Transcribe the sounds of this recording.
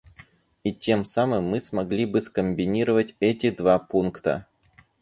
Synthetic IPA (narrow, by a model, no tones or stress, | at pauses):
itʲe̞msamɨmːɨsmɐɡlʲibɨskəmʲbʲɪnʲiɾəvətʲɛtʲɪd̪vapunkt̪ə̰